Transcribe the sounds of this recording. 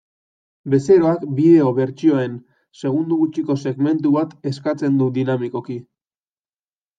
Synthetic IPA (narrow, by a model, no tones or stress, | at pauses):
be̞se̞ɾo̞akbið̞e̞o̞βe̞ɾt͡ʃio̞e̞n | se̞ɣ̞und̪uɣut͡ʃiko̞se̞ɣme̞nt̪uβat̪e̞skat͡se̞nd̪ud̪inamiko̞ki